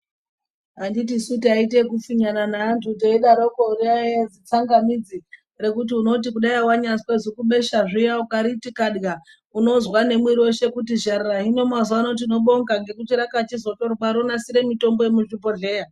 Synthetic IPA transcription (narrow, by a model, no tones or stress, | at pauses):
andit̬isutiait̬e̞kufiɲananaːntʰuteiɗaɾokoɾiaed͡zit͡saŋɡamid͡zi | re̞kut̬iuno̞t̬ikuɗaiwaɲaswezikuɓe̞ʃaʐijaukaɾitikaɗɡa | uno̞zwane̞mwiɾiwo̞ʃe̞kutiʒaɾiraɦino̞mazano̞t̬ino̞ɓo̞ŋɡaŋɡe̞kut͡ʃiɾakat͡ʃizo̞torokaɾonasiɾe̞mito̞mbo̞jemuʐipo̞ɮe̞ːja